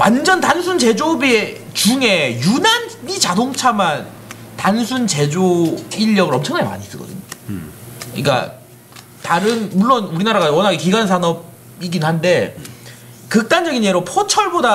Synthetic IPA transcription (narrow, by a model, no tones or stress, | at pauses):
wa̰nd͡ʑʌntansʰunt͡ɕe̞d͡ʑobe | t͡ɕuŋe̞junanit͡ɕadoŋt͡ɕʰaman | tansʰunt͡ɕe̞d͡ʑoiʎːʌɡɯɾʌmt͡ɕʰʌŋnaɡema̰ɲis͈ʌɡʌ̰dɯ̰ɲo | ḭk͈a̰ | taɾɯnmuɭːonuɾinaɾaɣawʌnaɡekiɡansʰanʌb̚ | iɡinnɦande̞ | kɯk̚t͈and͡ʑʌɡinjeɾopʰot͡ɕʰʌɭboda